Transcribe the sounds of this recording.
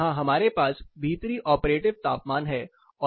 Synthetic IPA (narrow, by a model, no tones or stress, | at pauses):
ɦãɦɐmaːɾepaːsbʱiːt̪ɾiʔɔːpɾeːʈɪʋt̪a̰ːp̚maːnɦɛː | ɔː